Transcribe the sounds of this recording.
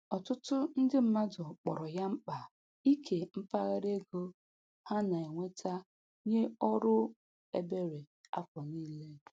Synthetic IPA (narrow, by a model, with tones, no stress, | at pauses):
ɔ˨tʊ˦tʊ˦n̩˦dɪ˦m̩˨ma˦dɔ˨k͡pɔ˨ɾɔ˨ja˦m̩˦k͡pa˨ | i˦kʰe˨m̩˦pa˦ɣa˦ɾe˦ɡo˦ | ha˦na˨e˨ŋʷe˦tʰa˦ | ɲe˦ɔ˦ɾʊ˦ | ḛ˦be˦ɾe˨ | a̰˦kʷɔ˨niː˦le˦